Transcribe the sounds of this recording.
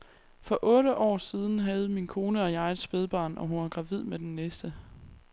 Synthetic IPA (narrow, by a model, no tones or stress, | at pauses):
fɒ̽ʔɔ̽ːɾəʔɒ̰ːsiːð̞ˠn̩ɦæð̞̩ˠminkʰo̝ːnəɒ̽jɑ̈ɪe̝d̥sb̥eð̞ˠb̥ɑ̈ːnʔɒ̽ɦunɑɡ̥ʁɑ̈ʋið̞̰ˠmed̥enːesd̥ə